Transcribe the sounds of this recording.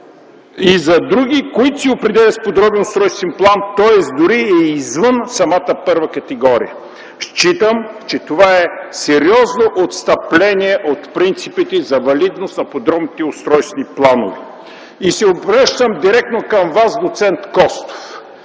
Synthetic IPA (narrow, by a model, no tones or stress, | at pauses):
izɐd̪ɾuɡ̟ikoit̪siopɾɛd̪ɛlʲɐt̪spod̪ɾɔbɛnʊst̪ɾɔjst̪vɛnplˠant̪ɔɛsd̪ʊɾiɛizvənsɐmat̪əpɤɾvɐkɐt̪ɛɡɔɾḭjə | ʃt͡ʃit̪əmt͡ʃɛt̪ovaɛsɛɾiɔznoʔot̪st̪ɐplɛniɛʔot̪pɾint̪sipit̪ɛzɐvɐlid̪nost̪nɐpod̪ɾɔbnit̪ɛʊst̪ɾɔjst̪vɛniplˠano̰vɛ | isɛobɾəʃt̪əmd̪iɾɛk̚t̪nokɐmvasd̪ot̪sɛnt̪kɔst̪o̥f